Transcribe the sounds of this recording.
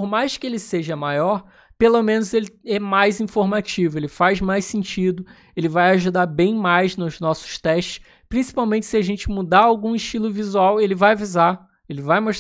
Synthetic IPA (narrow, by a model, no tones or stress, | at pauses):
pɾmajskɪelɪseʒɐmajɔɾ | pelomẽnʊzelɪɛmajzĩfoɾmat͡ʃivʊelɪfajzmajsẽnt͡ʃid̪ʊ | elɪvajaʒud̪aɾbẽj̃majznʊznɔsʊ̥st̪ɛʃt͡ʃɪ̥s | pɾĩsi̥pawmẽnt͡ʃɪ̥sɪaʒẽnt͡ʃɪmud̪aawɡũiʃt͡ʃilʊvizuawelɪvajaviza | elɪvajmoʃt̪